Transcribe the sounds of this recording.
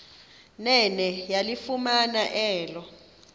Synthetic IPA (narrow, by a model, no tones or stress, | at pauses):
nɛnɛjalifumanaʔɛːlɔ